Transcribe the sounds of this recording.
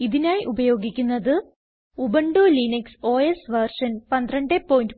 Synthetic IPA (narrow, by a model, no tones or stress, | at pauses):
iðinaːjiʔubɐjo̞ːɡikʲːunːɐðɨ | ubɐɳɖulinɐkso̞ːesʋɐrʂɐnpɐnd̪rɐɳɖepːo̞ːjinɖɨ